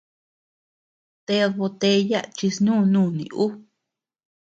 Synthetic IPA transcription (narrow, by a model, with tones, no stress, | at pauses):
t̪e˧˦ðo˧t̪e˧˦ja˦ʔt͡ʃi˧snũː˦˨˧nũː˦˨nḭ̃˨ʔu˦